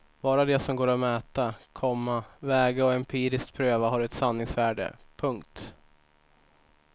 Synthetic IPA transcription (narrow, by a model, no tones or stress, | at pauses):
b̥ɑːɾad̪ɛsɔmɡoːɾɔmɛːt̪akʰɔmːavɛːɡaɔɪmpʰiːɾɪskt̪̚pʰɾøːvaɦaɾɛt̪sanːɪŋsvæːɖə̰pʰɵŋkt̪